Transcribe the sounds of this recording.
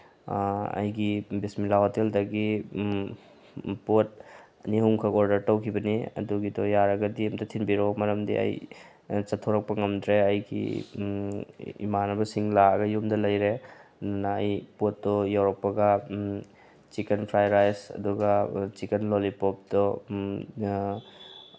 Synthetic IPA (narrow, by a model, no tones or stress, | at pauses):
ɐ̰jɡibismilahoteldɐɡi | pot̚ | nihuŋkʰɐkɔɾdɐɾtɐwkʰibɐniɐ̰duɡidɔjaɾɐɡɐdiɐmdɐtʰinbiɾɔmɐɾɐmdḭʔɐ̰j | t͡ʃɐtʰːoɾɐk̚pɐŋɐmdɾeɐjɡḭ | ḭmanɐbɐsiŋlaɡɐjumdɐlɐjɾenaːjpot̚ːdɔjawɾɐk̚pɐɡɐ | t͡ʃikenpʰɾajɾajsɐ̰duɡɐt͡ʃikenlolipɔp̚dɔ